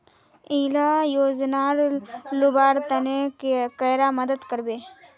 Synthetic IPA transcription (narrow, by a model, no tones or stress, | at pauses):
iːlajoːd͡ʒnaːɾlʊbaːɾt̪ɐnekekəjɾaməd̪əd̪kəɾbeː